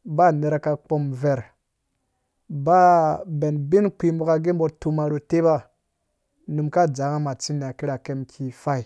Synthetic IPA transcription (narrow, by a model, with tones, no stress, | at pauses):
ba˦ne˨ɾa˨ka˨k͡po˨mve˨ɾ | ba˦be˨nbi˦nk͡pi˨mu˨ka˨ɡe˦m˦bo˨tu˨ma˨ɾo˨te˦ba˦ | nu˨mka˦˨d͡za˨˦ŋa˦ma˨t͡si˦n˨a˨ki˦ɾa˨ke˦mkʰi˨fa˦i˨